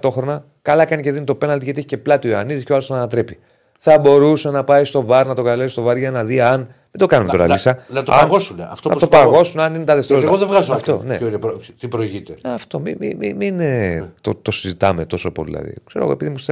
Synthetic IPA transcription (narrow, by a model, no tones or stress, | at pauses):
t̪o̞xɾo̞nɐ | kɐlɐkɐniceðinit̪o̞penɐlt̪iʝɐt̪ieçiceplɐt̪ioeɐ̰niðiscoɐlost̪oɐnɐt̪ɾe̞pi̥ | θɐbo̞ɾusenɐpɐist̪o̞vɐɾnɐt̪o̞kɐlesist̪o̞vɐɾʝɐnɐðiɐn | mind̪okɐnumet̪o̞ɾɐ̰lisɐnɐt̪o̰ɐnɣosuneɐft̪onɐt̪opɐɣo̞sunɐninet̪ɐðeft̪eɾoeɣoðevɣɐzoɐft̪onḛoinet̪ipɾoiʝit̪eɐft̪o̞miimiminet̪ot̪osizit̪ɐme̞t̪o̞so̞po̰lḭḭlɐ̰ðḭkse̞ɾoɣoe̞piðimust̪e